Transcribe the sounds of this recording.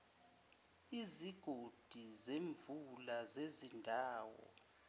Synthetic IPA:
iziɡ̥ʱod̥ʱizeɱvulazezindʱaːwɔ̰

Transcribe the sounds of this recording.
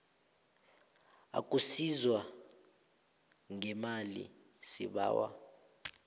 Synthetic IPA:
a̰kʼusizwa | ŋɛmalḭ | siɓa̰ːwa̰

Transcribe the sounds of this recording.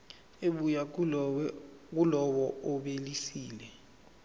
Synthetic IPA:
eɓuja | k̬ulɔɓɔɔɓelisiːlɛ

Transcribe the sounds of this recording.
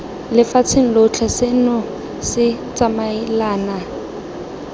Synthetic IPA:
lɪfat͡sʰɪŋ̩lot͡ɬʰasɪnɔ | sɪt͡sʼamaɪlaːna

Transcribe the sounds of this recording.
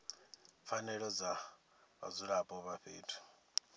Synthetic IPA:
fanɛɺɔd͡za | βa̰d͡zuɺapʼɔβaɸḛːtʰu̥

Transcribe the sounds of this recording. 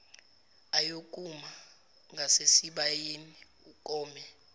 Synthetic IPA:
ajokʼuma | ŋɡʱasesiɓajeni | ukʼɔːmɛ

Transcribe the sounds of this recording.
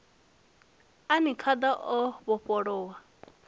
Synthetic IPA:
anikʰad̪aʔɔβɔpɔɺɔwa

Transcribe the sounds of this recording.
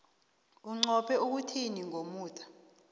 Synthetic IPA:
uŋ͡ǀɔpʰɛuk̬utʰiniŋomuːtʰʼḁ

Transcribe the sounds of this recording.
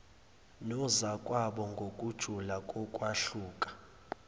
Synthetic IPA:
nɔzakʼwaɓɔŋɡʱokʼud̥ʒ̥ʱulakʼɔkʼwaɬuːkʼḁ

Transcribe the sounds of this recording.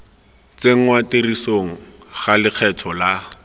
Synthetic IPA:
t͡seŋ̩waterisoŋ̩ | χalɪk͡xʰɛtʰɔla

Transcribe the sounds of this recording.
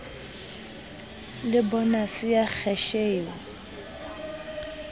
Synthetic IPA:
lɪbɔnasɪjak͡xʰɛʃeːŋ̩

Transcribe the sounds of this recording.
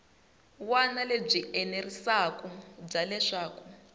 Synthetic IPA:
wanaleb͡ʐiʔɛnerisakub͡ʐalɛʂaːku

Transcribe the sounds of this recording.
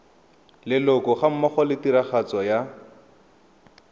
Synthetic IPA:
lɪlɔkɔχam̩maχɔlɪtiɾaχat͡sɔja

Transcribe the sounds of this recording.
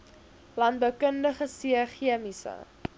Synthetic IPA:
lɐnt̚bəwkəndəχəsiəχiəmisə̰

